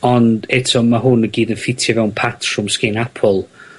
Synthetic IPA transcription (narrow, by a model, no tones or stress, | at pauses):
ɔndɛtʰɔmaɦʊnəɡiːdənfɪtʰjəvɛwnpʰatʰrɔmskɪnapʰɔlˠ